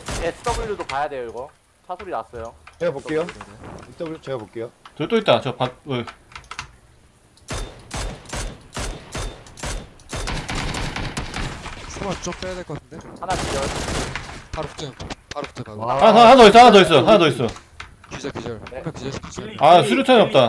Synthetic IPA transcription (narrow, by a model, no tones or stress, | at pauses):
esɯ̥t͈ʌɡɯɭɾɯdopajadwe̞joiɡʌ | t͡ɕʰasʰuɾinas͈ʌjoeok͈ejo | ok͈eotɯɭt͈oit̚t͈at͡ɕʌpae | hanat͡ɕiʌ | aɦahadʌis͈ʌhanadʌis͈ʌɦanad͡ʑʌis͈ʌ | ne | asʰuɾjut͡ɕʰaniʌp̚t͈a